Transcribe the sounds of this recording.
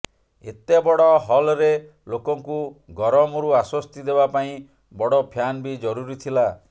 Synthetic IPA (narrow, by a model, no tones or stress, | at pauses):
ḛt̪ebɔɽɔɦɔlɾe | lokɔŋkuɡɔɾɔmɔɾuaswɔst̪id̪ebapaĩ | bɔɽɔpʰjanbid͡ʒɔɾuɾit̪ʰila